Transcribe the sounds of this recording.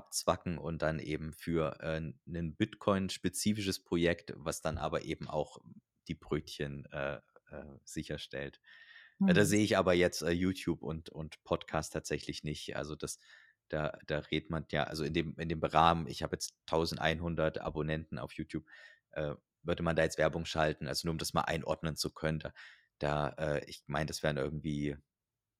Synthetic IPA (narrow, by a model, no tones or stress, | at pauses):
ʔap̚t͡sv̥akŋ̩ʔʊnt̚d̥anʔḛːbm̩fyːɐʔɛːnənbɪtkʰɔʏnʃpet͡siːfɪʃəspʁ̥ojɛktvasd̥anʔa̰ːbɐʔeːbm̩ʔa̰ʊx | d̥iːbʁøːtçənʔɛːʔɛːz̥ɪçɐʃtɛ̰ltː | daːz̥eːəɪçʔaːbɐjɛt͡stʔɛːjuːtʰjuːpʊntʊntpʰɔtkʰaːstʰaːtz̥ɛçlɪçnɪçtʔa̰lzod̥as | d̥aːd̥aːʁeːtmanja̰ːʔa̰lzoɪndeːmɪndeːmbəʁaːmənɪ̰çhaːbəjɛt͡stʰːaʊzn̩tʔa̰ɪnɦʊndɐtʔa̰bonɛntn̩a̰ʊfjuːtʰjuːp̚ | ʔɛː | vʏɐdəmandaːjɛt͡stv̥ɛɐbʊŋʃaltn̩ʔalzonuɐʊmdasma̰ːlʔa̰ɪnʔɔ̰ɐdnənt͡sukʰœnənda̰ː | d̥aːʔɛːʔɪ̰çmaɪnəd̥asv̥ɛːɐənʔɪɐɡŋ̩tv̥iː